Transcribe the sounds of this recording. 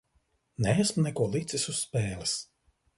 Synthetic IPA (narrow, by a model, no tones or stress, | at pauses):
nɛæsmunɛkuɔlˠit̪sisuspɛːlʲˠis